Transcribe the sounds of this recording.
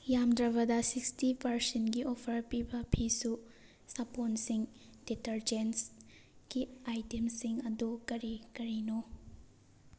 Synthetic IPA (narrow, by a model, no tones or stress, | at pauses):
jamd̪ɾɐβɐdɐsikstipʰɐɾsenɡiʔopʰɐɾpibɐpʰisu | sɐponsiŋ | d̥etɐɾd͡ʒens | ɡ̥iajtemsiŋɐdukɐɾikɐɾino